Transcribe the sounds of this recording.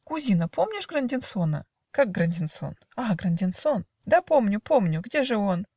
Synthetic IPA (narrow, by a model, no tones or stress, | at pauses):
kʊzʲinəpomnʲɪʂɡrɐnʲdʲɪnsonə̰ | kak̚ɡɾɐnʲdʲɪnso̞̰n | aɡɾɐnʲdʲɪnson | d̪apo̞mnʲʊpo̞mnʲʊɡdʲeʐɨo̞n